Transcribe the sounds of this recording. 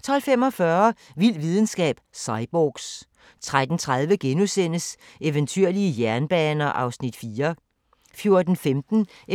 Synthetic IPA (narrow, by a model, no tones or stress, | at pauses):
t͡sʰɒ̽l̰fem̰ɒ̽fɶɐʋil̰ʋið̞ˠn̩sɡ̥ɛ̰ːb̥sɑ̈ɪb̥oɡ̥s | t͡sʰʁad̥n̩t͡sʰʁað̞ˠʋəɡ̥enusen̰əs | eʋənt͡sʰyɐ̰liəjæɐnb̥ɛːnɐʔɑ̈ʊsnid̥fiːɐ | fjo̝ɐd̥n̩femd̥n̩